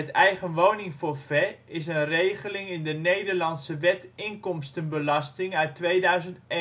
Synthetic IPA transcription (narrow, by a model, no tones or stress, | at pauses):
ətɛjχənʋownɪŋfʊrfɛ | ɪs̬ənrejχəlɪŋɪndənejdərlɑntsəʋɛtɪŋkɔmstənbəlɑstɪŋœɥtːʋeːdœɥzənt